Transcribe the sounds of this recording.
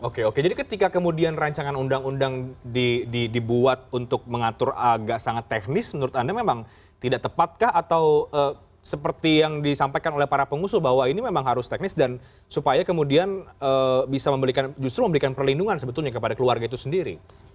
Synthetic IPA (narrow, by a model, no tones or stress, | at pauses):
okeoked͡ʒadikət̪ikakəmudianraɲt͡ʃaŋanundaŋundaŋdididibuat̪̚unt̪ʊk̚məŋat̪ʊraɡaʔsaŋat̪ːɛk̚nɪsmənuɾʊt̪andamemaŋ | t̪idaʔt̪əpat̪̚kahat̪awəː | səpərt̪ijaŋdisampajkanolɛhpaɾapəŋusʊlbaɦwainimemaŋɦaɾʊst̪ɛk̚nɪsdan | supajakəmudianəbisaməmbəɾikand͡ʒust̪ɾuməmbəɾikanpərlinduŋansəbət̪ʊlɲakəpadakəluarɡait̪usəndiɾḭ